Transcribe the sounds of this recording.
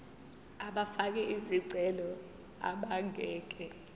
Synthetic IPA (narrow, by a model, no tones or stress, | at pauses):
aɓafak̬ɛʔiziǀʱɛlɔ | a̰ɓaŋɛːk̬ʼɛ